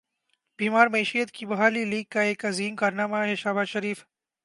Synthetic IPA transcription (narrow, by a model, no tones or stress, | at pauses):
b̥iːmaːɾmɐiːʃijət̪kibɐɦaːliliːɡ̚kaeːkɐziːmkaɾnaːmaɦɛʃaːbaːʃɐɾiːf